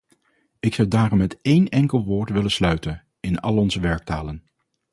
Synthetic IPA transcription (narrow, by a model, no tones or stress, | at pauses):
ɪksɑwdaːrɔmːɛtejnɛŋkəlˠʋʊːɹtʋɪlənslœɥtən | ɪnɑ̰lˠɔnzəʋɛɹk̚taːlən